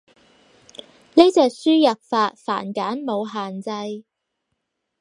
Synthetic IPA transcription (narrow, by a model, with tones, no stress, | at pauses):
ne˥t͡sɛː˨k̚syː˥jɐ˨p̚faː˧t̚fa̰ː˨˩nkaː˨˥nmo˨˧wɦaː˨nt͡sɐ˧j